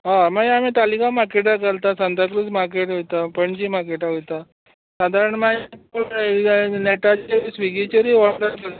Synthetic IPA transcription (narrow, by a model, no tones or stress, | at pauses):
ɦamaɡamit̪alikamaɾkeʈakəlt̪asand̪akɾusmaɾk̬eʈɦojt̪apəɳd͡ʑimaɾkeʈaɦojt̪a | sad̪ʱaɾəɳma | nɛʈat͡ɕesʋiɡit͡ɕəɾiʋɔɽʈ̪əɾkəl